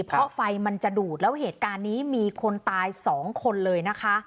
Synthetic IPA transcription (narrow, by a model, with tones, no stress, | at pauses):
pʰɾɔ˦˥fa˧jma˧nt͡ɕa˨˩duː˨˩t̪̚lɛː˦˥wɦeː˨˩t̪̚kaː˧nːiː˦˥miː˧kʰo˧nt̪aː˧jsɔː˩˦ŋkʰo˧nlɤː˧jna˦˥kʰa˦˥